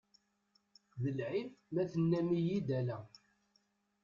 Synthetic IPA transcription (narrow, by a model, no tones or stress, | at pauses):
ðəlʕifmæθənːæmijid̪ælæ